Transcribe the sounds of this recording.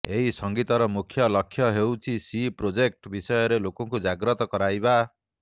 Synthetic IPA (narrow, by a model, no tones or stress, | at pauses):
eɦisɔŋɡit̪ɔɾɔmukʰːjɔlɔkʰːjɔɦewt͡ʃʰisipɾod͡ʒek̚ʈbisɔjɔɾelokɔŋkud͡ʒaɡɾɔt̪ɔkɔɾajba